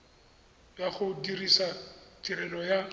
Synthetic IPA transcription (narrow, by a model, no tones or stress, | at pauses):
jaχʊdirisatʼiɾɛlɔja